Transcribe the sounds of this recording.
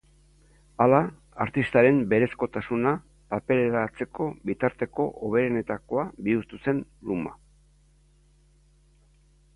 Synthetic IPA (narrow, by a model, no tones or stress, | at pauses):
ala | aɾt̪ist̪aɾe̞mbe̞ɾe̞sko̞t̪asuna | pape̞le̞ɾat͡se̞ko̞bit̪aɾt̪e̞ko̞ʔoβ̞e̞ɾene̞t̪ako̞abiuɾt̪use̞nluma̰